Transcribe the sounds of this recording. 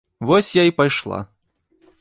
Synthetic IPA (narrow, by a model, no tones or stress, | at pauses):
vɔsʲjaipajʂlˠa̰